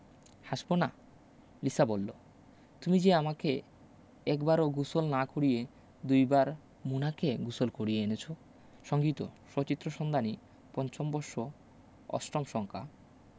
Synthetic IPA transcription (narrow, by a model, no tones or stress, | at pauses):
haʃbona | lisabolːo | t̪umid͡ʑeamake | ɛkbaɾoɡusolnakoɾije | d̪ujbaɾ | munakeɡusolkoɽijeenet͡ɕʰo | ʃɔŋɡit̪o̰ʃot͡ɕit̪ːɾoʃɔnd̪ʱani | pɔnt͡ɕombɔɾʃo | ɔ̰sʈomʃɔŋkʰa̰